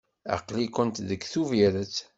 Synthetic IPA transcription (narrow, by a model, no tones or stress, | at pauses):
ɑ̰qlikənt̪ðəkːθuviɾət͡sː